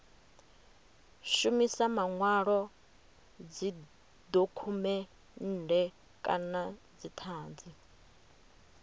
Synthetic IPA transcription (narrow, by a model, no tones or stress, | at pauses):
ʃumisamaŋwaɺɔ | d͡zi | d̪okʰumɛ | n̩ːdɛ | kʼa̰na | d͡zit̪ʰaːnd͡zi